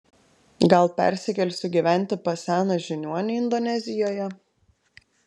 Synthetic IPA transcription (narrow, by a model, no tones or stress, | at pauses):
ɡɐlˠpʲɛ̰ˑɾʲsʲɪkʲɛlʲsʲʊɡʲiʋʲæˑnʲˑt̪ʲɪpɐsʲæːnoʒʲɪnʲuɔnʲɛɪnd̪ɔnʲɛzʲɪjoːjɛ